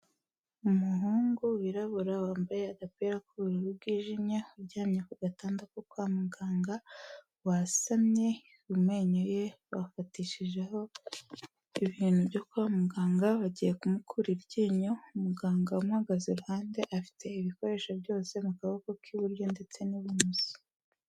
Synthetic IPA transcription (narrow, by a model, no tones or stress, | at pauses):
umuɦuːŋɡuwiɾaβuɾawaːmbaje̞aɡapeɾakuβuɾuβuβ̚ɡiːʒimɲauɾɟaːmɲekuɡataːndakokwamuɡaːŋɡa | wasamɲe̞ | umŋeːɲoje̞βafatiʃiʒeho̞ | iβiːn̥huβɟo̞kwaːmuɡaːŋɡaβaɟije̞kumukʰuɾiɾɟiːɲoumuɡaːŋɡaumŋaɡazeɾuhaːnde̞ʔafi̥te̞iβiko̞ɾe̞ːʃaβjo̞ːse̞mukaβakokʰiβuɾjo̞nde̞t͡se̞niβimuzi̥